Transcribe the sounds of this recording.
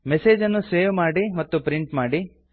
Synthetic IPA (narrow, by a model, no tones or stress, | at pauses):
meseːd͡ʒɐnːuseːʋmaːɽimɐt̪ːupɾiɳʈmaːɽi